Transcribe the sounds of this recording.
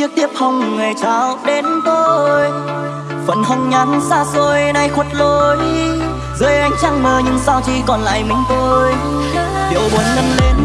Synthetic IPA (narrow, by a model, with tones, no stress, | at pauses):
i˦˥ək̚t̪i˦˥əp̚hɔ˧˩wŋ͡mŋa˨˩jt͡ɕaː˧˦wɗe˧˦nt̪o˧j | fə̰˧˨nha˧ŋ̟ɲa˨˦nsaː˧so˧jna˧jxwə˨˦˥t̚lo˧j | zəː˧jʔa˧jŋ̟t͡ɕaː˧ŋməː˨˩ɲɨ˧ŋsaː˧wt͡ɕi˧˩kɔ˨˩nla̰ː˧˨jma˨˦ŋ̟t̪o˧j | kḭ˧˨əwɓo˨˦ənɲə˧nle˧n